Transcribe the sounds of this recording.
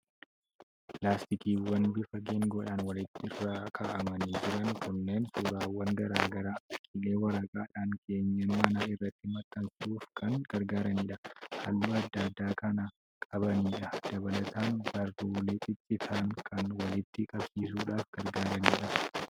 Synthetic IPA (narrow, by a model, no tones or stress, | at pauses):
pplaːst̪ɪkiːwɐnbɪfɐɡeːŋɡɔᶑaːnwɐlɪt̪ːɪɪrːaːkʰaːʔɐmɐniːd͡ʒɪɾɐŋkʰʊnːe̞ːnsuːɾaːwːɐŋɡɐɾaːɡɐɾaːɐkʼɪle̞ːwɐɾaːkʼaːᶑaːŋkʰe̞ːɲːɐnmɐnaːɪrːɐt̪ːɪmɐt̪ːɐnsɪuːfkʰɐŋɡ̥ɐɾɡaːɾɐniːᶑɐhɐlːuːɐd̪ːaːd̪ːaːkɐnɐ | kʼɐbɐniːᶑɐd̪̥ɐbɐlɐt̪aːnbɐroːleːt̪ʼɪt̪ʼːɪsaːŋkʰɐnwɐlɪt̪ːɪkʼɐbsiːsuːᶑaːfɡ̥ɐɾɡaːɾɐniːᶑɐ